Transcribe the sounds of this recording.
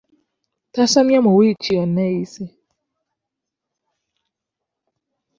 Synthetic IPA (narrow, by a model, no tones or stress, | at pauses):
tasamjamɔwit͡ʃiɔnɛisɛ